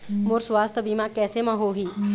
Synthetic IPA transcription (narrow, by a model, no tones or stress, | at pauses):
mʊɾswaːst̪ʰbimãkɛːsemãɦoɦiː